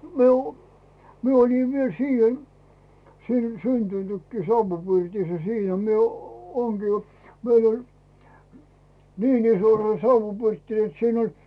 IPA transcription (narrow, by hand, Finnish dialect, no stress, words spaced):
mi o mie olʲi ʋiel siːhen siːn syntynykːiː sɑuʋupirtisːæ siːnæ mie oː ŋɡ̊iː meil olʲ niːn iso se sɑuʋːupirtːi net siːn olʲ